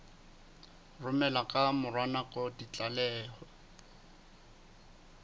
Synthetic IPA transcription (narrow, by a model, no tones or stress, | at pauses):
rʊmɛlakʼamʊrwanakʼɔdit͡ɬʼalɛːhɔ